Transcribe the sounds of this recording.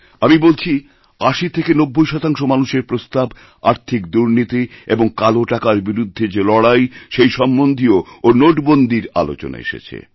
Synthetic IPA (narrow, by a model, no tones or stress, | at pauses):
amibolt͡ɕʰi | aʃit̪ʰekenobːojʃɔt̪aŋʃomanuʃeɾpɾost̪ab | a̰ɾt̪ʰikd̪uɾnit̪ieboŋkaloʈakaɾbiɾud̪ʱːed͡ʑelɔɽajʃejʃɔmːond̪ʱioonoʈbond̪ʱiɾa̰lo̰t͡ɕo̰na̰ḛʃḛt͡ɕʰḛ